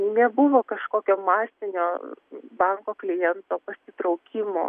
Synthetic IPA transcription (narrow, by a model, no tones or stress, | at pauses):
nʲɛbʊʋoːkɐʃkoːkʲoːmɑːsʲɪnʲoːbɐŋkoːklʲɪjɛnt̪oːpɐsʲɪt̪ɾɒʊkʲɪmo̰ː